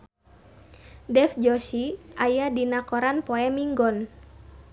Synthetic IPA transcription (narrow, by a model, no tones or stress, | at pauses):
dɛfd͡ʒɔʃiʔajadinakɔɾanpɔɛmiŋɡɔn